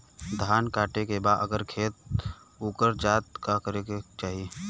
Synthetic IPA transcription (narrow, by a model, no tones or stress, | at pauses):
d̪ʱaːnkaːʈekebaːd̪ə̰ɡəɾkʰeːt̪̚ | uːkəɾd͡ʒaːt̪̚kakəɾeket͡ʃaːɦie